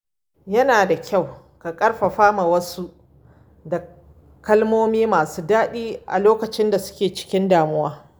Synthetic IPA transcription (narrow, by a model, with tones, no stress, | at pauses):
jɐ˦naː˨da˨kʲʰa˦˨w | ka˨kʼɐ˦ɽɸa˨ɸaː˦ma˨wɐ˦su˦ʔ | da˨ | kɐ˦lmoː˦miː˦maː˨suː˦daː˦ɗiː˦ʔa̰˨loː˦kɐ˨t͡ʃɪ˦nda˨sʊ̥˦kʲeː˨t͡ʃɪ̥˦kʲɪ˦ndaː˨mʊ˦waː˦